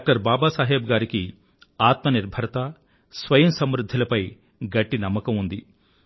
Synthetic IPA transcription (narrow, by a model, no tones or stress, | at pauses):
ak̚ʈɐɾbaːbaːsaːɦeːbɡaːɾiki | aːt̪mɐniɾbʱɐɾɐt̪a | sʋɐjɐmsɐmɾud̪ʱːilɐpɐj | ɡɐʈːinɐmːɐkɐmund̪i